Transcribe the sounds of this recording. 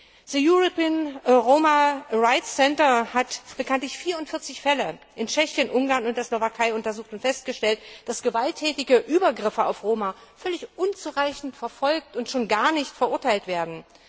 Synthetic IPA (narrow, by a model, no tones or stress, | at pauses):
z̥əjuʁopiːnʁoːmaʁaɪtsɛntɐhatb̥əkʰantlɪçfiːɐʊntfɪɐt͡sɪçfɛlə | ʔɪnt͡ʃɛçjənʔʊŋɡaːɐnʊntd̥eːɐslovakʰaɪʊntɐzuːxtʊntfɛst̚ɡ̥əʃtɛltd̥asɡ̥əvaltʰːɛːtɪɡəʔyːbɐɡʁɪfəa̰ʊfʁoːmafœlɪçʔʊnt͡suːʁaɪçn̩tfɛɐfɔlk̚tʊntʃoːnɡaːɐnɪçtfɛɐʔʊɐtʰaɪltv̥eːɐdn̩